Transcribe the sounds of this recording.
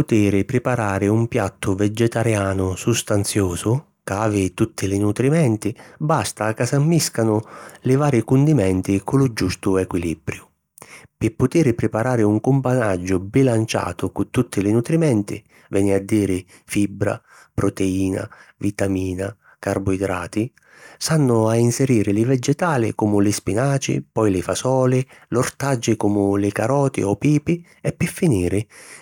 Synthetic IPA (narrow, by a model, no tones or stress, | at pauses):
pʊt̪iːɾɪpɾɪpaɾaːɾɪumpjat̪ʰːʊvɛd͡ʒɛt̪aɾjaːnʊsust̪ant̪sjoːsʊ | kaːvɪt̪ut̪ʰːɪlɪnut̪ɾimɛnt̪ɪbast̪akasamːiskanʊlɪvaːɾɪkʊnd̪imɛnt̪ɪkʊlʊd͡ʒust̪ʊɛkwilibɾjʊ | pɪpːʊt̪iːɾɪpɾɪpaɾaːɾɪuŋkʊmpanad͡ʒːʊbilant͡ʃa̰ːt̪ʊkʊt̪ːut̪ʰːɪlɪnut̪ɾimɛnt̪ɪ̰ | vɛːnɪad̪ːiːɾɪ | fibːɾa̰ | pɾɔt̪ɛiːna̰vit̪amiːna | karbʊid̪ɾa̰ːt̪ɪ | sanːʊainsɛɾiːɾɪlɪvɛd͡ʒɛt̪aːlɪ̰kɔmʊlɪspinaːt͡ʃɪ̰pɔjlɪfasɔːlɪlɔrt̪ad͡ʒːɪkumʊlɪkaɾɔːt̪ɪ̰ɔpiːpɪ | ɛpːɪfːiniːɾɪ